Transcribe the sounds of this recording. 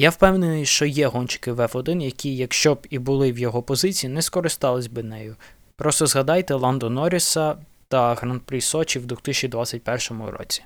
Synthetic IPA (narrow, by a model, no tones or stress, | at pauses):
jawpɛwnenɪjʃt͡ʃɔjɛɦɔnʲt͡ʃɪ̥kɪʋɛfɔd̪ɪnjɐkʲʰijɐkʃt͡ʃɔbibʊlˠɪwjɔɦɔpɔzɪt͡sʲijinɛskɔɾɪst̪ɑlˠɪsʲbɪnɛjʊ | pɾɔst̪ɔzɦɐd̪ɑjt̪ɛlˠɑnd̪ɔnɔɾʲisɐ | t̪ɐɣɾɐnd̪̚pɾʲisɔt͡ʃʲiwd̪ʋuxt̪ɪsʲt͡ʃʲid̪ʋat͡sʲɐt̚ʲpɛrʃɔmʊ̰ɾɔ̰t͡sʲi̥